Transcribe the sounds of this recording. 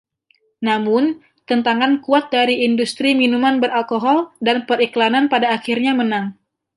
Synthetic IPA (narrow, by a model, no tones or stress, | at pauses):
namʊn | t̪ənt̪aŋankuat̪̚daɾiːndust̪ɾiminumanbəɾʔalkoɦɔldanpəɾiklananpadaːxirɲamənaŋ